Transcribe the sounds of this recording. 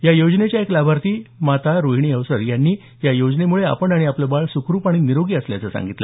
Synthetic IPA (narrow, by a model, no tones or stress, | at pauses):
jajod͡znet͡ɕjaeklabʱaɾt̪iːmat̪aɾoɦiɳ̃iəʋsəɾjanːiː | jajod͡ʑnemuɭea̰pəɳaɽ̃iapləbaɭsukɾuːpaɽ̃iniɾoɡiːəslja̰t͡səsa̰ŋɡit̪lə̰